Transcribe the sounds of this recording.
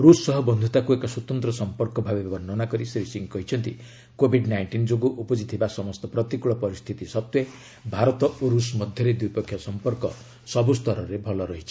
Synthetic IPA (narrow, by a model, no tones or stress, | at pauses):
ɾusːɔɦɔbɔnd̪ʱut̪akuekɔswɔt̪ɔnt̪ɾɔsɔmpɔɾkɔbʱabebbɔnɔnakɔɾisɾisiŋkɔɦit͡ʃʰɔnt̪i | kobʱiɖnajɳʈind͡ʒoɡuʔupɔd͡ʒit̪ʰibasɔmɔst̪ɔpɾɔt̪ikuɭɔpɔɾist̪ʰit̪isɔt̪jɔ | bʱaɾɔt̪ɔʔoɾusmɔd̪ʱjɔɾed̪ujpɔkʰːjɔsɔmpɔɾkɔ̰ | sɔbust̪ɔɾɔɾebʱɔlɔɾɔɦit͡ʃʰi̥